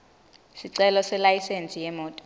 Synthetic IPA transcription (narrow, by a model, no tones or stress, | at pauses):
siǀɛlɔsɛlajisent͡sʼijɛmɔːtʼɔ̥